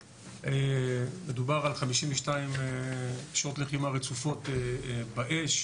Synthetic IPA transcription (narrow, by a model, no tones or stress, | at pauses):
emed̪ubaʁalχamiʃimveʃtaimekʃʁot̪leχimaʁet͡sufo̞tebaʔeʃ